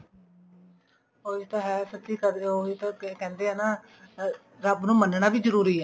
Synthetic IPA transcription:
oːit̪ãːɦɛːsət̪ːiːkəɾd̪oːt̪ãːkɛ̃ːnd̪eːɦɛːnaː | ɾabnũːmənɳaːbiːd͡ʒəɾuːɾiːɛː

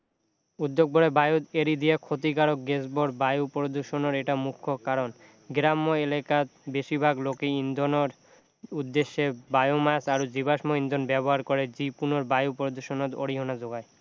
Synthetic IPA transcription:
ud̪ːoɡ̚boɽebajod̪eɾid̪iakʰot̪̬ikaɾok̚ɡesboɾbajupɾod̪uʃonoɾeʈamukʰːokaɾon | ɡɾamːoelekat̪beʃibʱaɡlokeind̪onoɾ | ud̪ːeʃːebajomasaɾod͡ʑibaʃmoind̪onbɛboɦaɾkɔɾed͡ʑipunoɾbajupɾod̪uʃonot̪o̰ɽiɦonad͡ʑoɡae

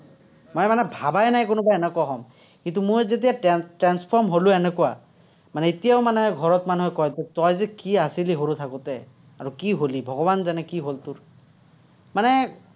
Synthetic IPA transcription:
mɔjmanɛbʱabajnajkonʊbaɛnɛkɔaɦɔm | kĩnt̪̬umojzet̬ijatɹanspʰɔɹmɦolʊɛnɛkɔwa | manɛit̪ijaʊmanɛɦɛɡʱɔɹɔtmanuɦɛkɔjtɛtɔjzɛkiasiliɦoɹut̪ʰakut̪ɛ | aɹukiɦolibʱɔɡɔbanzanɛkiɦolt̪uɹ | manɛ

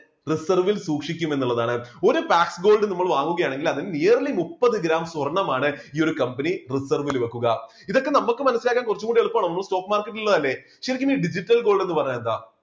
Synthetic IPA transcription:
risɐrʋilsuːkʂikʲːume̞nːuɭːɐðaːɳɨo̞ɾupaːksɡo̞ːlɖɨnimːɐɭʋaːŋːuɣɐjaːɳe̞ŋɡilɐðinɨneːrɐlimupːɐðɨɡɾaːmswɐrɐɳːɐmaːɳɨiːo̞ɾukɐmpɐnirisɐrʋilʋɐkːuɣɐ | iðo̞kːe̞nɐmːukːɨmɐnɐsilaːkːaːnkurɐt͡ɕːuŋkuːɳɖijeɭupːaːɳɐmnːɐsto̞ːkːmaːrkːɐʈːililːɐðɐlːe̞ | ʂeɾɐikʲːumiːɖid͡ʑiʈːɐlɡo̞ːlɖe̞nːɨpɐrɐɲːend̪a̰ː

